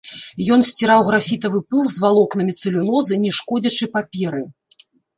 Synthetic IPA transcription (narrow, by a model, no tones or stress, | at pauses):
jɔn̪sʲt͡sʲiɾawɣɾafʲit̪ɐvɨpɨlˠzvalˠɔkn̪ɐmʲit̪sɨlʲunˠɔzɨnʲɛʂkɔd͡zʲɐt͡ʂɨpapʲɛɾɨ